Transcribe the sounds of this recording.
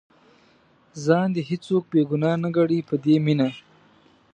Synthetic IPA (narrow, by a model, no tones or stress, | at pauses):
zɑnd̪eɦɪt͡sok̚beɡʊnɑnaɡaɽipəd̪emina